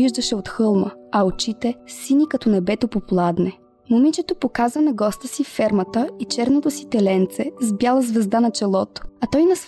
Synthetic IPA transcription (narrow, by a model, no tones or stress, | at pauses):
iʒd̪ɐʃɛot̪xɤlˠməɐot͡ʃit̪ɛsinikɐt̪ɔnɐbɛt̪opoplˠad̪nɛ | momit͡ʃɛt̪opokazvənɐɡɔst̪əsiffɛɾmɐt̪əit͡ʃɛɾnot̪osi̥t̪ɛlɛnt̪sɛzbjalˠəzvɛzd̪anɐt͡ʃɛlˠɔt̪o̥ɐt̪ɔjnɐs